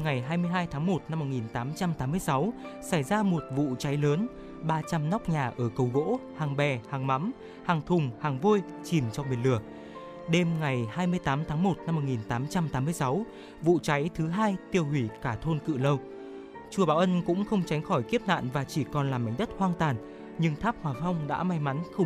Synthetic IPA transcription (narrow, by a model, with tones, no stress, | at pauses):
ŋa˨˩jɦaː˧jmɨ˧əjɦaː˧jt̪ʰaː˨˦ŋmo˨˩t̚na˧mːo˨˩t̚ŋi˨˩nt̪aː˨˦mt͡ɕa˧mt̪aː˨˦mːɨ˧əjsa˨˦w | sa˧˩jzaː˧mo˨˩t̚vṵ˧˨t͡ɕa˨˦jləː˨˦n | ɓaː˧t͡ɕa˧mnɔ˦˥k͡p̚ɲaː˨˩ʔəː˧˩kə˨˩wɣo̰˧˥haː˨˩ŋɓɛ˨˩haː˨˩ŋma̰˧˥m | haː˨˩ŋt̪ʰʊ˨˩ŋ͡mhaː˨˩ŋvo˧j | t͡ɕi˨˩mt͡ɕɔ˧mi˨˩ənlɨ˨˩ək̚ | ɗe˧mŋa˨˩jhaː˧jmɨ˧əjt̪aː˨˦mt̪ʰaː˨˦ŋmo˨˩t̚na˧mːo˨˩ŋi˨˩nt̪aː˨˦mt͡ɕa˧mt̪aː˨˦mɨ˧əjsa˨˦w | vṵ˧˨t͡ɕa˨˦jt̪ʰɨ˨˦ɦaː˧jt̪i˧əwhwi˧˩kaː˧˩t̪ʰo˧nkɨ̰˧˨lə˧w | t͡ɕu˨˩əɓaː˧˩wʔə˧nkʊ̰˧˥ŋ͡mxə˧wŋ͡mt͡ɕa˨˦jŋ̟xɔ˧˩jki˦˥əp̚na̰ː˧˨nvaː˨˩t͡ɕi˧˩kɔ˨˩nlaː˨˩mːa˨˦jŋ̟ɗə˦˥t̚hwaː˧nt̪aː˨˩n | ɲɨ˧ŋt̪ʰaː˦˥p̚hwaː˨˩fa˧wŋ͡mɗa̰ː˧˥ma˧jma˨˦nxə˧